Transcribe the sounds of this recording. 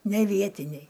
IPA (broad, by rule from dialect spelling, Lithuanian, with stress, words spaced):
nʲɛ ˈʋʲiɛtʲɪnʲɛɪ